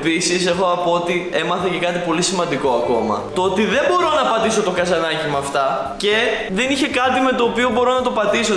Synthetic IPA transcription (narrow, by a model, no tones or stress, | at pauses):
pisise̞xo̞ɐpoot̪ie̞mɐθece̞kɐt̪ipo̞lisimɐnd̪iko̞ɐko̞̰mɐ̰t̪oo̞t̪iðe̞mbo̞ɾo̞nɐpɐt̪iso̞t̪o̞ɡɐzɐnɐcimɐːft̪ɐ | ce̞ | ðe̞niçe̞kɐt̪ime̞t̪o̞ːpiobo̞ɾo̞nɐt̪o̞pɐt̪iso̞